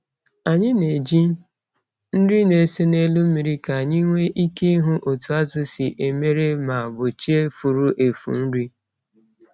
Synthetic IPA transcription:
a˨ɲɪ˦ne˨d͡ʒi˦ | n̩˦di˦ne˨se˦ne˦lu˦m˦mi˨ɾi˦ka˨ɲɪ˦ŋʷe˦ʔi˦ke˦ɦu˦ʔo˨tu˨a˦zʊ˦sɪ˨ʔe˨me˦ɾe˦ma˨a˨bʊ˨t͡ʃe˦fu˨ɾu˦ʔe˨fṵ˨n̩˦ɾi˦

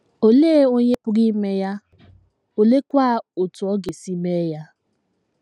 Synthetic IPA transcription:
o˨le˦o˦ɲe˦pʊ˦ɾi˦me˦ja˦ | o˨le˦kʷa˦˨o˨tʊ˨ɔ˦ɡe˨si˦me˦ja˦

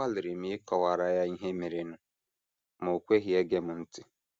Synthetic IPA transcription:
a˦lɪ˨ɾɪ˨m̩˦ɪ˦kɔ˨wa˨ɾa˨ja˦i˦ɦe˦me˨ɾe˨nʊ˦ | mo˨kʷe˦ɦi˨e˦ɡe˦m̩˨n̩˦tɪ˦

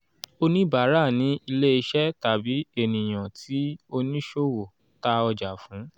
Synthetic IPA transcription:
o˧nĩ˦ba˨˦ɾa˦˨nĩ˨˦i˧le˦i˧ʃɛ˦ta˨bi˨˦e˦˨nĩ˨j̃ã˨tʰi˨˦o˧nĩ˦ʃo˦wo˨ | ta˧ɔ˧d͡ʒa˨fũ˨˦

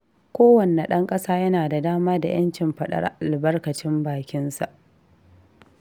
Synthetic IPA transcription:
kʷoː˦wɐ˨nːe˨ɗɐ˦ŋkʼɐ˦saː˦jɐ˦naː˨da˨daː˦maː˦da̰˨j̰ɐ˦nt͡ʃɪ˨mɸɐ˦ɗɐ̰˦ɾa̰˦ʔa˨lbɐ˦rkɐ˨t͡ʃɪ˦mbaː˨kʲɪ˦nsa˨ʔ

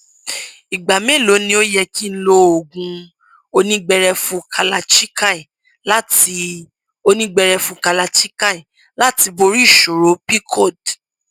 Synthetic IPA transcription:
i˨ɡ͡ba˨me˦˨lo˨˦nĩ˧o˦jɛ˧ki˦n̩˦lo˧o˨ɡũ˧ | o˧nĩ˦ɡ͡bɛ˧ɾɛ˧fũ˧˦kʰa˧la˧t͡ʃi˦ka˦i˨ | la˦ti˧ | o˦˧nĩ˦ɡ͡bɛ˧ɾɛ˧fũ˧ka˧la˧t͡ʃi˦ka˦i˨ | la˦ti˧bo˧ɾi˦˨ʃo˨ɾo˨˦pi˦kʰɔ˦˨d

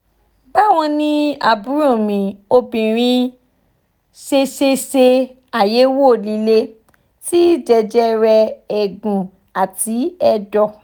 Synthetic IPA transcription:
ba˦˨w̃ɔ̃˧nĩ˧a̰˨bu˨˦ɾo˦˨mĩ˨o˧bĩ˨ɾ̃ĩ˧ | se˧ʃe˧se˧ | a˨je˨˦wo˦˨li˨˧le˦ | ti˦d͡ʒɛ˧d͡ʒɛ˦ɾɛ˧ɛ˨ɡũ˨ | a˨ti˨˦ɛ˧dɔ˧

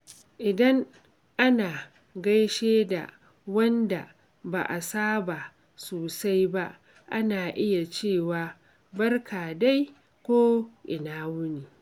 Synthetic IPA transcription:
ʔɪ˨dɐ˦ŋ | ʔa˦naː˨ | ɡɐ˦jʃeː˦da̰˨ | wɐ˦nda̰˨ | ba̰˨ʔa˨saː˦ba˨ | soː˨sa˦jba˦ʔ | ʔa˦naː˨ʔɪ˦ja˨t͡ʃeː˦˨waː˨ | bɐ˦rkʰaː˨da˦j | kʷoː˦ʔɪ˨naː˦wʊ˦niː˨

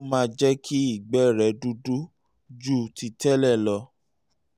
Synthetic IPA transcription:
mãː˦˧d͡ʒɛ˦kʰi˦i˦˨ɡ͡bɛ˦ɾɛ˨du˧du˦ | d͡ʒu˦˨ti˧tɛ˦lɛ˦˨lɔ˧

